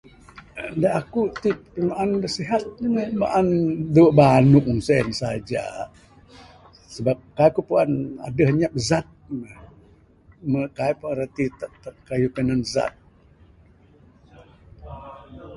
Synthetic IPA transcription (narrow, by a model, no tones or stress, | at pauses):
daʔakut̪ip̚ənaʔanbəsiɦat̪̚nəma̰ʔanduʔbanuʔŋsɛnsa̰d͡ʒa̰ | səbap̚kajkupuana̰dəhɲap̚zat̪̚mə | məkajpuanɾət̪it̪aʔt̪aʔ̚kajukənanza̰t̪̚